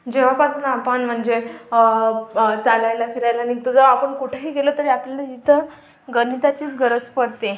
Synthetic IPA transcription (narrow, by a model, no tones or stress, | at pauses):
d͡ʑeʋ̤apasuːnapəɳm̤əɳd͡ze | t͡salajlafiɾajlanit̪ud͡zəʋapəɳkuʈʰeɦiɡelot̪əɾiapljalait̪ʰə | ɡənit̪at͡ɕiːt͡sɡʱəɾəd͡zpəɽt̪e